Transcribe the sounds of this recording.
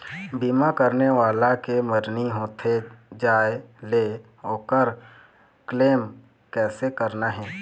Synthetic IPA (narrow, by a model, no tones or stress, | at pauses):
biːmakəɾneʋaːlakeməɾniɦoːt̪ʰed͡ʒaːele | ɦoːkəɾ | kleːm | kɛːsekəɾnaɦɛː